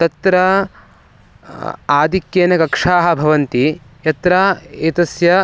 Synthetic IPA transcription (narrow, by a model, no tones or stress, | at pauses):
t̪ɐt̪ɾɐ | aːd̪ʱikjeːnɐkɐkʂaːɦɐ̆bʱɐʋɐnt̪i | jɐt̪ɾaːeːt̪ɐsjɐ